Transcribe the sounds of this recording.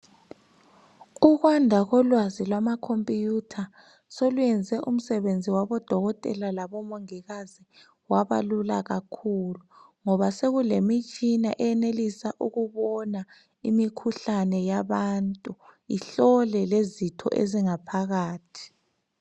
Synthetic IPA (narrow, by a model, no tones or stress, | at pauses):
uɣwandʱaɣɔlwazilwamakʰompʼijutʰa | solujɛnd͡zʱɛʔum̩sɛβend͡zʱiwaβɔd̥ʱɔɣɔtʼɛ̰lalaβɔmoŋiɣazi | waβa̰lulaɣakʰuluŋɔβaseɣulemit͡ʃʼina̰ʔɛɛnelisaʔuɣuβɔna | imikʰuɬanɛjaβantʼuḭɬɔlɛlezitʰɔ̰ʔḛziŋapʰaɣaːtʰi̥